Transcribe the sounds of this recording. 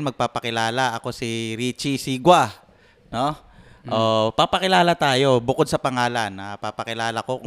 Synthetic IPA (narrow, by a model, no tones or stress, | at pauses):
nmɐɡ̚paːpɐkɪlaːlaʔɐko̞siɾit͡ʃisiɡwa | no̞ | ʔoʔpɐpɐkɪlaːlɐt̪aːjo̞bʊkod̪̚sɐpɐŋaːlɐnɐpapɐkɪlaːlɐko̞